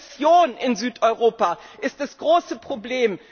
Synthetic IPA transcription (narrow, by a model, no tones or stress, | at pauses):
t͡sjoːnɪnzyːtʔɔʏʁoːpaʔɪst̚d̥asɡ̥ʁoːsəpʁ̥obleːm